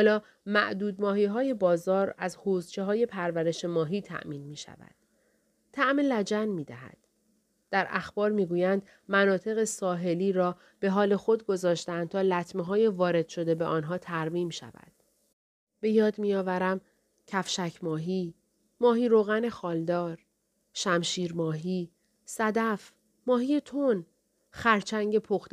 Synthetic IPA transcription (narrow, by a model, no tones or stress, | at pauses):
hɔːlɒː | mæ̰ʔd̪uːd̪mɒːɦiːɦɒːje̞bɒːzɒːɾæzhoːzt͡ʃʰe̞ɦɒːje̞pʰæɾvæɾe̞ʃe̞mɒːɦiːt̪ʰæ̰ʔmiːnmiːʃæ̰væ̰d̪̥ | t̪ʰːæʔmelæd͡ʒænmiːd̪æɦæ̰d̪̥ː | æɾʔæxbɒːɾmiːɡuːjænd̪ | mænɒːt̪ʰe̞ɣe̞sɒːɦe̞liːɾɒː | b̥e̞ɦɒːle̞xo̞d̪̚ɡo̞zɒːʃt̪ænd̪̚t̪ʰɒːlæt̪ʰmeɦɒːjevɒːɾe̞d̪̥ʃo̞d̪e̞beʔɒːnɦɒːt̪ʰæɾmiːmʃæ̰væ̰d̪̥ | b̥e̞jɒːd̪mijɒːvæɾæm | cʰæfʃæcʰmɒːɦiː | mɒːɦiːɾoɣæne̞xɒːld̪ɒːɾ | ʃæmʃiːɾmɒːɦiː | sæd̪æf | mɒːɦiːjet̪ʰon | xæɾt͡ʃʰæŋɟe̞pʰoxt̪